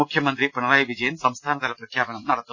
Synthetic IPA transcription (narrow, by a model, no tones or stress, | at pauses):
ukʰjɐmɐnd̪ripɐɳɐraːjiʋid͡ʑɐjɐnsɐmst̪ʰaːnɐðɐlɐprɐkʰjaːbɐɳɐmnɐɽɐt̪ːu